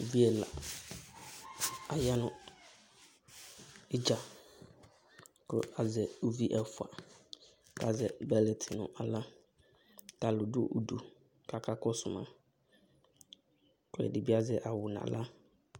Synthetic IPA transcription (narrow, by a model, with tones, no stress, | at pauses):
vi˦ɛ˨la̰˨ | a˨ja˦nʊ̃˦ | ɪ˦d͡ʒa˨ | kʰʊ̰˦a˨zɛ˨o˦vi˦ʔɛ˨fʊ˨a̰˨ | ka˨d͡zɛ˨bɛ˦lɛ˨tʰɪ˨nʊ̰̃˨ʔa˨la˦ | ka˨lʊ˨du˦˨ʔo˨du˨ | kʰa˨kʰa˦kɔ˦sʊ˨mã̰˨ | kʰɛ̰˨dɪ˨bi˦a˦zɛ˨ʔa˨wʊ˨n˨a̰˨la˦